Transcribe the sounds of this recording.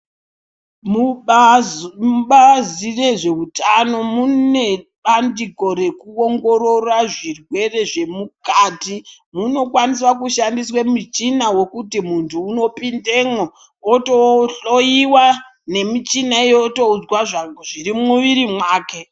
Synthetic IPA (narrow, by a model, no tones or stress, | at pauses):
mu | uɓazire̞ʐe̞utano̞mune̞ɓandiko̞ɾe̞kuoŋɡo̞ɾoraʐirwe̞re̞ʐe̞mukaːti | muno̞kwanis̬wakuʃandiswemit͡ʃinawo̞kutimuntʰuːno̞pindeŋo | otoɬojiwa | ne̞mit͡ʃinaijotoud͡zwaʐaʐiɾimuʋiɾimwaːke̞